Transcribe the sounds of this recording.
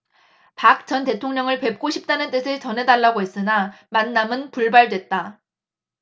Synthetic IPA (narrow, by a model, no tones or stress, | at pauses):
pak̚t͡ɕ͈ʌnte̞tʰoŋɲʌŋɯɭpe̞p̚k͈oɕʰip̚t͈anɯnt͈ɯsʰet͡ɕʌnɦe̞daɭːaɡoɦes͈ɯnamanːamɯnpuɭbaɭdwe̞t̚t͈a